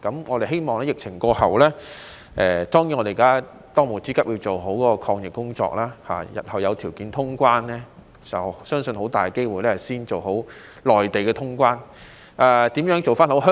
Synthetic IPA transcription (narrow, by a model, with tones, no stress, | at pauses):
kɐ˨˧˥mŋɔː˨˧ɾe˨jɦe˥jmɔː˨ŋlɛː˥jɪ˨k̚t͡sʰɪ˨˩ŋkɔː˧hɐ˨wlɛː˥ | ʔɛː˨t̪ɔː˥ŋji˨˥nŋɔ˧de˨˩˨kaː˥ | t̪ɔː˥ŋmu˨˩t͡siː˥kɐ˥p̚ji˧wt͡so˨˩wɦo˨˥wkɔ˧˥kɔ˧kʰɔː˧ŋjɪ˨kːʊ˥ŋt͡ʃɔ̰ː˧k̚laː˥ha̰ː˨jɐ̰˨˩t̚hɐ˨wjɐ˨˧wt̪ʰiː˨˩wkiː˨˥nt̪ʰʊ˥ŋkʷwaː˥nlɛː˥ | t͡sɐ˨sœː˥ŋsɵ˧nɦo˨˥wt̪aː˨˩jke˥jwuː˨jlɛː˥ɐ˨˩siː˥nt͡ʃo˨˩wɦo˨˥w | lɔː˨jt̪e˨jkɛ˧t̪ʰʊ˥ŋk̬ʷwaː˥n | ʔaː˧t̪iː˨˥mjœː˨˥ŋt͡so˨wfaː˥nho˨˥ɦœ˥